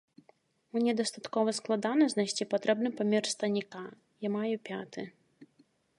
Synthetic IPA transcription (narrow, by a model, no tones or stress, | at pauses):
nʲɛd̪ɐst̪at̪kɔvɐsklˠad̪anɐzʲnajsʲt͡sʲipat̪ɾɛbnɨpamʲɛrst̪ɐnʲika | jamajupʲat̪ɨ